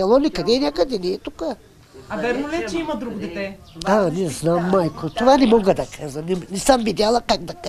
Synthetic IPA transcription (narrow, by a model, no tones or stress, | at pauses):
ɐlˠɔnikɐd̪ɛnʲjakəd̪ɛnɛːt̪ukə | ɐvɛɾmʊlɛt͡ʃɛimɐd̪ɾuɡʊd̪ɛt̪ɛ | anɛznamːajkot̪ovanɛmɔɡəd̪ɐkʰazɐnɛnisamvid̪ʲalˠɐkaɡ̚d̪ɐka